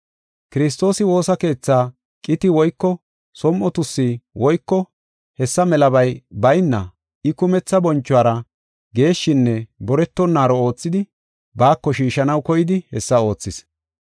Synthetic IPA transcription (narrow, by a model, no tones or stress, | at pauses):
kɪɾɪs̬t̪o̞ːsɪwo̞ːsɐke̞ːt͡sːaː | kʼɪt̪ɪwɔjkːɔ | sɔmʔɔt̪ʊsːɪwɔjkːɔ | hɛsːɐmɛlɐbɐjbɐjnːɐ̰ | ɪkʊmɛt͡sːɐbɔnt͡ʃːʊaːɾɐ | ɡe̞ːʃːɪnːɛbɔɾɛt̪ːɔnːaːɾɔo̞ːt͡sːɪd̪ɪ | baːkːɔʃiːʃɐnɐwkɔjɪd̪ɪhɛsːɐo̞ːt͡sːɪs